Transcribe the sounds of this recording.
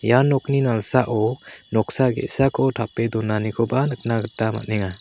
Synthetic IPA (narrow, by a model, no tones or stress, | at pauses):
janɔk̚ninalsaʔɔnɔk̚saɡḛtsakʰɔtʰapːedɔnanikʰɔbanɯk̚naɡɯtːama̰t̚nɛŋa